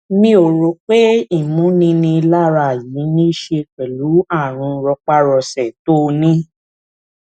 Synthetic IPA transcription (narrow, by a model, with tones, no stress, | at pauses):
mĩ˧o˨ɾo˨˦k͡pe˦i˦˨mũ˨˦nĩ˦nĩ˧la˦ɾa˧˨ji˨˦nĩ˦i˦˨ʃe˧k͡pɛ˨lu˨˦a˦˨ɾ̃ũ˧ɾɔ˧k͡pa˦ɾɔ˧sɛ˨to˦˧nĩ˦